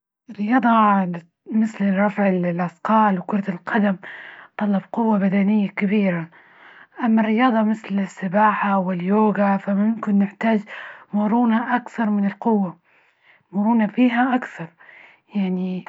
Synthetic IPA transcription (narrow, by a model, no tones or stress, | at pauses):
ɾːɪjɑːd̪ˤɑ | mɪθlɪrˤɑfʕɪllʔɑsqɑːlwkʊɾˤɑt̪ɪlqɑd̪amt̪ˤɑlːɑb̚qʊwːabad̪anɪjːakabiːɾa | ʔamːarːɪjɑːd̪ˤɑmɪθlɪsːɪbaːħawɪljoːɡafamʊmkɪnːɪħt̪aːd͡ʒmʊɾˤuːnaʔakθɑɾˤmɪnɪlqʊwːa | mʊɾˤuːnafiːɦaʔakθɑɾˤ | jaʕni